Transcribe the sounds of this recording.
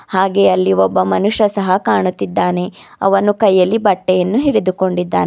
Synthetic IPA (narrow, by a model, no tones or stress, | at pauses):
haːɡeɐlːiɔbːɐmɐnuʂɐsɐɦɐkaːɳut̪ːid̪ːaːne̞ | ɐ̰ʋɐnukɐjːɐlːibɐʈːɛjɐnːuɦiɽed̪uko̞ɳɖid̪ːa̰ːne